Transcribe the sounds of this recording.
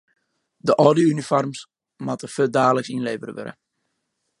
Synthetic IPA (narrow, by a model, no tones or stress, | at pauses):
dəʔɔːdiynifɔrms | matəfødaːləksinleːvəɾəʋø̰ɾə̰